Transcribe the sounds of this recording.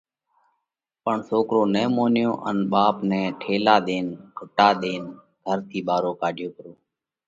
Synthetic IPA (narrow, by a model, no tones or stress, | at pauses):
pəɳsoːkɾoːnɛ̃ːmoːnjõːʔənɓaːpnɛ̃ːʈʰeːlaːɗ̪eːnkʰʊʈaːɗ̪eːn | ɡʱəɾt̪ʰiːɓaːɾoːkaːɖʱjoːkəɾoː